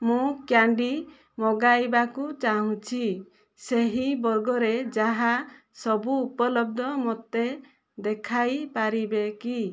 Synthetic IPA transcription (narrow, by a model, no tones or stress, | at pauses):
mũkjaɳɖi | mɔɡajbakut͡ʃaɦũt͡ʃʰi | seɦibɔɾɡɔɾed͡ʒaɦasɔbuːpɔlɔb̚d̪ʱɔmɔt̪e | d̪ekʰajpaɾibeki